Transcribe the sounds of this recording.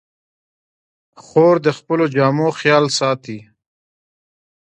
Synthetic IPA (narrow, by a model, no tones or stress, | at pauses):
xoːɾd̪əxpəlod͡ʒɑːmoxjɑːlsɑːt̪i